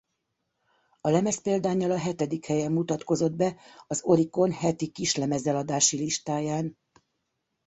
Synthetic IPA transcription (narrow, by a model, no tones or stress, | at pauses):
ɒlɛmɛspeːld̪aːɲːɒlɒɦɛt̪ɛd̪ikhɛjɛmːut̪ɒt̪ko̞zo̞d̪̚bɛɒzo̞ɾiko̞nhɛt̪ikiʃlɛmɛzɛlɒd̪aːʃiliʃt̪aːjaːn